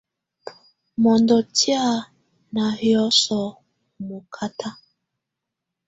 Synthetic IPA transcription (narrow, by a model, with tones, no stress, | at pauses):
mɔ˨ndɔ˨tja˦˨ | na˨hjɔ˦sɔ˨ | mo˨kʰa˦tʰa˦